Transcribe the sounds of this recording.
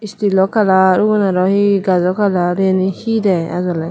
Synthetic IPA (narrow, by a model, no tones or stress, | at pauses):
ist̪ilɔkalaɾuɡɔnaɾɔhiɡazɔkalaɾenihidɛja̰zɔla